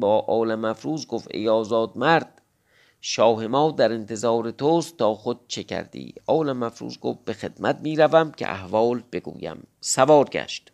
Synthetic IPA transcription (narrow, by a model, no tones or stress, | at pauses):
bɒːʔɒːlæmæfɾuːzɡofḛjɒːzɒːd̪̚mæɾd̪̥̚ | ʃɒːhe̞mɒːd̪æɾent̪ʰe̞zɒːɾet̪ʰoːst̪ːɒːxod̪̥̚t͡ʃʰecʰæ̰ɾd̪ḭːɒːlæmæfɾṵːzɡo̰fbe̞xe̞d̪̥mæt̪̚miːɾævæmcʲʰḛʔæ̰hvɒːlb̥e̞ɡṵːjæ̰msævɒːɾɡæ̰ʃt̪